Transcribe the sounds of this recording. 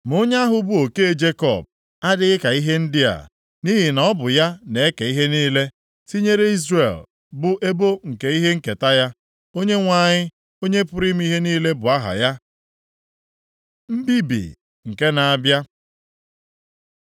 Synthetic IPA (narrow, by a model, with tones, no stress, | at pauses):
mʊ˦ɲ˦a˦ɦʊ˦bʊ˦o˨ke˦e˦˨d͡ʒe˦kɔ̰˦˨b̚ | a˦dɪ˦ɣɪ˦ka˨i˦ɦe˦n̩˦dɪ˦a̰˨ | ni˦ɦi˨nɔ˦bʊ˨ja˦ne˨e˦ke˨i˦ɦe˦niː˦le˦ | si˦ɲe˦ɾe˦i˦zrḛ˨l | bʊ˨ʔe˦bo˦ŋ̩˨ke˨i˦ɦe˦ŋ̩˦ke˨ta˦ja˦ | o˦ɲe˦ŋʷa˦˨ɲɪ˦ | o˦ɲe˦pʊ˦ɾi˦m˦i˦ɦe˦niː˦le˦bʊ˨a˦ɦa̰˨ja˦ | m̩˦bi˦bḭ˨ | ŋ̩˨ke˦na˨a˨bja˦